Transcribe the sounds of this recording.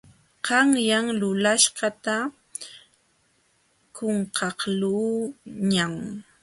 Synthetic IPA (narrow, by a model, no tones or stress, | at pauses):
qɑŋjaŋlʊlaʃɢɑt̪a | koɴqʰɑqluːɲaŋ